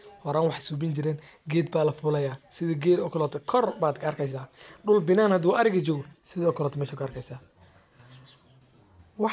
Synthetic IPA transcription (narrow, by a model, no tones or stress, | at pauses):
hɔɾaːwɑħsuːbɪnt͡ʃɪɾɛːn | ɡɛːd̪baːlɐfʊlɐjaːsɪðɐɡɛːd̪ɔkʰlɔt̪ʰɛkʰɔrbaːd̪kʰɐɐrkʰɛjsaːɖʊlbɪnaːnhɐd̪uːʔɐɾɪɣɐt͡ʃɔːɡɔsɪðɐɔkʰɔlɔːt̪ʰɔmɛːʃɐkʰɐɐrkʰɛjsaː | wɑ